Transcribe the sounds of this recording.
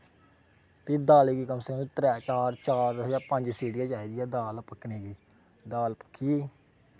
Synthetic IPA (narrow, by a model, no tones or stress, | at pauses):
t̪iːd̪aːleːɡiːkəmseːnũt̪ɾɛːt͡ʃaːɾt͡ʃaːɾd͡ʒaːpəɲd͡ʒsiːɖɪjaːd͡ʒaːid̪ɪjaːd̪aːlpəkʰːneːɡiː | d̪aːlpə̥kʰːiiː